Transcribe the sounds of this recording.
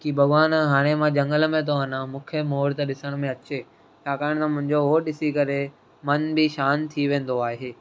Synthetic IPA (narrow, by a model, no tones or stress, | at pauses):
kibʱɐɠʋaːnɦaːɽ̃emãd͡ʑɐ̃ŋɡələmẽt̪ʰoɐnãmʊ̃ːkʰəmoːɾt̪ɐɗɪsəɽ̃mẽɐt͡ɕe | t͡ɕʰaːkaːɪɽ̃t̪ɐmʊ̃ɦɪ̃ɲd͡ʑoɦoɗɪsikɐɾe | mɐnbɪʃaːnt̪ʰiʋẽːn̆d̪oaːɦeː